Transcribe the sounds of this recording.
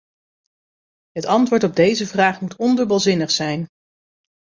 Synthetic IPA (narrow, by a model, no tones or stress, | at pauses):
ɦətɑntʋʊːɹtɔb̚dejzəvraːχmutɔndøɹbəlˠzɪnəχsɛjn